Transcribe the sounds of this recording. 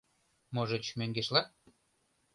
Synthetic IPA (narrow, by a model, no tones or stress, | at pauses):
moʒet͡ɕmøŋɡeʃlɑ